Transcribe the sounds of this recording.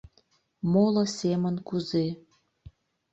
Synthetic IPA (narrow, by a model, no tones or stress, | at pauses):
molɤ̆semənkuze